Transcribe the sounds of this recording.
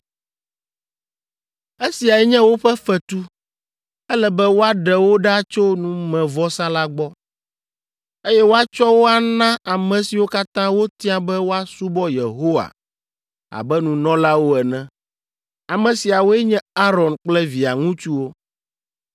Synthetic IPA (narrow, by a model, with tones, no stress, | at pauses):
e˦si˨a˨ɛ˦ɲɛ̃˦wo˦ɸɛ˦fɛ˨t̪u˦ | ɛ˦lɛ˦˨bɛ˦wo˦a˦ɖɛ˨wo˦ɖa˦t͡ʃo˦nũ˨mɛ̃˨vɔ˦sã˦la˦ɡ͡bɔ˦ | e˦jɛ˦wo˦a˦t͡ʃɔ˦wo˦a˨nã˦a˨mɛ̃˨si˨wo˦ka˦t̪ã˦wo˦t̪ĩ˦ã˦bɛ˦wo˦a˦su˦bɔ˦je˨ɦo˦wa̰˨ | a̰˨bɛ˦nũ˨nɔ̃˦la˦wo˦ɛ˨nɛ̃˨ | a˨mɛ̃˨si˨a˨wo˦ɛ˦ɲɛ̃˦a˦ɾɔ˨nk͡plɛ˦vi˨a˨ŋũ˦t͡ʃu˦wo˦